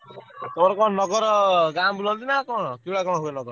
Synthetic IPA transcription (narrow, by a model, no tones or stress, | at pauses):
t̪ɔmɔɾɔkɔnɔɡɔɾɔɡambulɔld̪inakɔɽ̃ɔkibɭakɔɽ̃ɔɦenɔɡɔɾ